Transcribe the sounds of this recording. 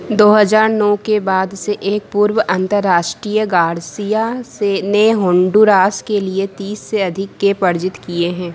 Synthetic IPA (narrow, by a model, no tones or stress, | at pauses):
d̪oːɦəzaːɾnɔːkebaːd̪seʔeːk̚puɾwəʔɐ̃nt̪əɾːaːʃʈɾiːjəɡaːɾsijaseneɦõːɳɖuɾaːskeliet̪iːsːeɐd̪ʱɪkːepɐɾd͡ʒɪt̪kieɦɛ̃ː